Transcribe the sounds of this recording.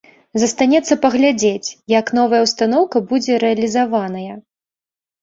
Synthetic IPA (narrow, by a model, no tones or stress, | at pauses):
zɐst̪anʲɛt̪sːɐpɐɣlʲad͡zʲet͡sʲjɐkn̪ɔvɐjɐwst̪anɔwkɐbud͡zʲɛɾɛɐlʲizavanɐjɐ